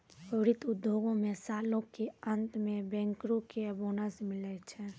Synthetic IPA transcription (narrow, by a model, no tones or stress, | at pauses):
pəʋɾɪt̪ʊd̪ʱːjoːɡõmẽsaːlõkeə̃nt̪mẽbɛ̃ːŋkɾõkeəboːnasmɪlɛt͡ʃʰɛ